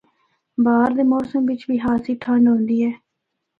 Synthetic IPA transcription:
baːɾd̪eːmɔːsəmʋɪt͡ʃbiːɦaːsiːʈʰəɳɖɦõːnd̪iːɛː

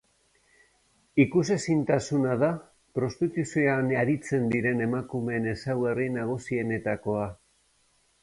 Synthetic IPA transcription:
ikuse̞sint̪asunaða | pɾo̞st̪it̪usioanaɾit͡se̞nd̪iɾe̞ne̞makume̞ːne̞sawɣarinaɣ̞usie̞ne̞t̪ako̞a

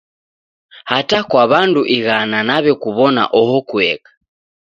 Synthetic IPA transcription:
hatakwaβanduʔiɣananaβɛkuβɔna̰ʔɔhɔkuɛ̰kḁ

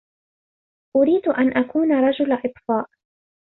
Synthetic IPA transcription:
ʔʊɾiːd̪ʔanʔakuːnaɾˤɑd͡ʒʊlʔɨt̪ˤfɑːʔ

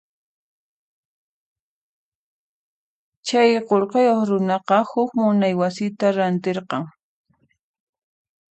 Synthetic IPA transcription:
t͡ʃajqoɾqɑjoχɾʊnɑqɑhʊkmʊnajwasɪt̪aɾant̪eɾqɑŋ

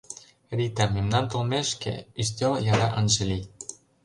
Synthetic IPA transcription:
ɾit̪æmemnɑnt̪olmeʃkḛys̬t̪ʲoljɑɾɑʔɤ̆nʒɤ̆li

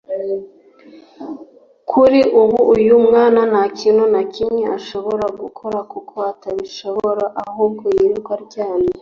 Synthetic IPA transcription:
kʰuɾiʔuβuːjumŋaːnanacʰinonakimɲeʔaʃo̞βo̞ɾaɡukʰo̞ɾakukʰo̞ataβiʃoɾaʔahuːb̚ɡojiɾikwaɾɟaːne

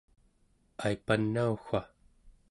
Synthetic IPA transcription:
aipanːauxʷa

